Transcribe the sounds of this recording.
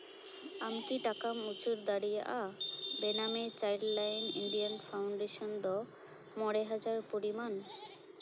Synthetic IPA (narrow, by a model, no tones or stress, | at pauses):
amkiʈakamut͡ɕuɾd̪aɽijaʔabenamet͡ɕajllajniɳɖianpʰawɳɖeʃɔnd̪ɔ | mɔɽeɦad͡ʑaɾpoɾiman